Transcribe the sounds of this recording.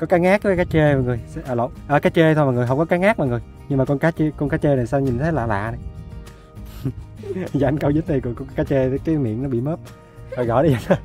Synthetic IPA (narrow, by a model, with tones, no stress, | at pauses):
kɔ˨˦kaː˨˦ŋaː˦˥k̚ːkaː˨˦jt͡ɕe˧ma˨˩ŋɨ˨˩əjsʔə˨˩lə̰˧˨wʔəː˨˩kaː˨˦jt͡ɕe˧t̪ʰo˧ma˨˩ŋɨ˨˩ɦwŋ͡mkɔ˨˦kaː˨˦ŋaː˦˥k̚ma̰˨˩ŋɨ˨˩j | ɲɨ˧maː˨˩kɔ˧nkaː˨˦t͡ɕe˧kɔ˧nkaː˨˦t͡ɕe˧na˨˩jsa˧ɲi˨˩nt̪ʰe˨˦la̰ː˧˨la̰ː˧˨na˨˩j | za̰˧˦nkə˧wzɨ˦˥t̚n˨˩jkɔ˨˩kɔ˧˦kkaː˨˦t͡ɕe˧t̪ːkaː˨˦mḭ˧˨ənɔ˨˦ɓḭ˧˨məː˦˥p̚ | tɔ˨˩jɣɔ̰˧˨jɗə˧za˨˩t̪ʰə˨˦